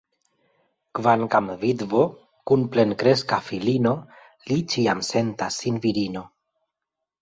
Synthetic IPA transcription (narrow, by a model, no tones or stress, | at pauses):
kvaŋkamvidvo̞ | kunple̞nkɾe̞skafilino̞ | lit͡ʃiamse̞ntasːinviɾino